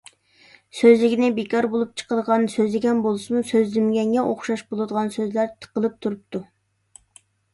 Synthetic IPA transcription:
søzlɪkʲinɪbekʰɑɾbolˠup̚t͡ʃʰə̥qəd̪əʁɑnsøzlɪɡʲɛnbolˠɨsɨmusøzlymɡʲɛŋɡʲɛʔoχʃɑʃbolˠɨd̪əʁɑnsøzlæɾt̪ʰə̥qəlˠɨp̚t̪ʰuɾup̚t̪ʰu

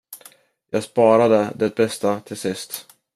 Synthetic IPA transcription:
jɑːɡspɑːɾad̪əd̪ɛt̪̚bɛst̪at̪ʰɪlsɪst̪

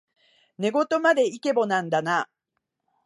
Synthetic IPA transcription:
ne̞ɡo̞t̪o̞mad̪e̞ike̞bo̞nãnd̪ana

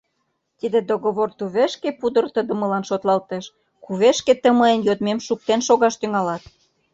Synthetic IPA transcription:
t̪id̪ed̪oɣoβort̪uβeʃkepud̪ə̆rt̪əd̪ə̆məlɑnʃot̪lɑlt̪eʃ | kuβeʃket̪əməenjod̪memʃuk̚t̪enʃoɣɑʃt̪yŋɑlɑt̪̚

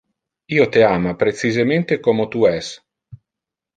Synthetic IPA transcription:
iːot̪eaːmapɾet͡ʃizement̪ekɔːmot̪uɛs

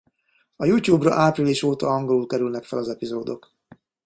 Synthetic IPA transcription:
ɒjuːc̪juːbrɒ̰ʔaːpriliʃoːt̪ɒɒŋɡo̞lulkɛɾylnɛkfɛlɒzɛpizoːd̪o̞k

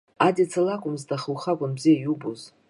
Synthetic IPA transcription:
adit͡sʰalakʷʼʊmzdʰaχəwχakʷʼanbzijajubuz

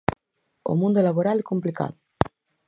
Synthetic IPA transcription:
o̰mũnd̪olaβoɾalekomplika̰ðo

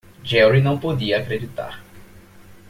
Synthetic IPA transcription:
d͡ʒɛwɾinɐ̃w̃pod̪iɐːkɾed͡ʒit̪a̰ɾ

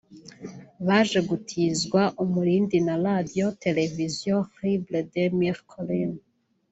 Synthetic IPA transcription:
βaːʒe̞ɡutʰiːzɡwaʔumuɾiːndinaladiote̞le̞vizjõhibledemiɾkʰolin

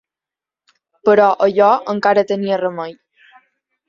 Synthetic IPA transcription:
pəɾɔʔəʎɔəŋkaɾət̪əniərəməj

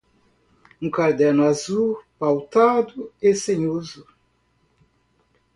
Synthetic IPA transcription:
ũkaɾd̪ɛɾnʊazupawt̪ad̪ʊesẽɲozʊ

